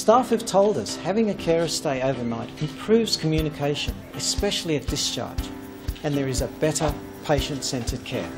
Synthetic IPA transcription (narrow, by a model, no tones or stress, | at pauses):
stæfʌv̥tʰoʊlˠdʌshævɪ̃ŋɨkʰɛɹɨv̥steɪoʊvə˞naɪɾɨ̃mpʰɹ̥ʉvz̥kʰəmjʉnɨkʰeɪʃɨ̰̃n | ɨspɛʃl̩ˠiɨt̚d̥ɨst͡ʃʰɑ̰ɹd͡ʒ | ɨ̃nðə˞ɨzɨbɛɾə˞ | pʰeɪʃɨ̃ntsɛ̃ntʰə˞d̚kʰɛ̰ɹ